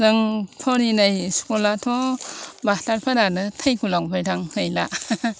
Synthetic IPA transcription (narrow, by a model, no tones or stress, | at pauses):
zɯŋpʰɔɾinajskolatʰɔbataɾpʰaɾanɯtʰajkʰulaŋpajtʰaŋhɯjla